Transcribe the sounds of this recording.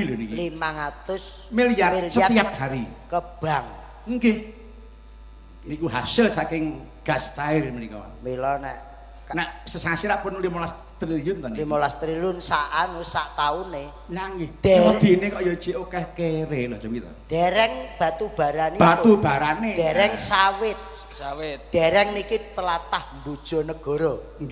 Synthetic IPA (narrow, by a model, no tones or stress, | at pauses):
ilʊnikilimaŋat̪ʊs | milijarsət̪iap̚haɾikəb̥aŋ | ŋkɪh | nikuɦasɪlsakɪŋ | ɡ̥ast͡ʃaɪrmənikɔ̰a̰milɔnɛ̰ʔ | naʔsəsasiɾaʔpʊnulimolas | t̪ɾiliʊnt̪ɔnemolast̪ɾilʊnsaʔanusaʔt̪aune | laŋɪhd̪̥ɔd̪̥i̤nekɔʔjo̥t͡ʃeʔokahkeɾelɔt͡ʃɔkit̪ɔ̰d̥ɛɾɛŋb̥a̤t̪ub̥a̤ɾanb̥at̪ub̥a̤ɾaned̪ɛɛŋsawɪt̪̚ | awɪt̪̚d̪̥ɛ̤ɾɛŋnikit̪əlat̪ahmbud̥ʒ̥ɔ̤nəɡ̥ɔ̤ɾɔ | ŋ